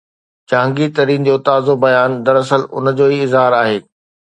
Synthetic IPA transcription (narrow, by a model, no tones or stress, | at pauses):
t͡ɕãːŋɡit̪ɐɾiːnd͡ʑoːt̪aːzobɐjaːnd̪ɐɾɐsəlʊ̰nəd͡ʑoːiɪzɦaːɾaːɦeː